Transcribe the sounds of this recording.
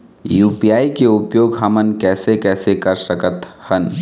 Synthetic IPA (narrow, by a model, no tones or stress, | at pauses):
juːpijaːikeʊpjoːɡɦɐmənkɛːsekɛːsekɐɾsəkət̪hən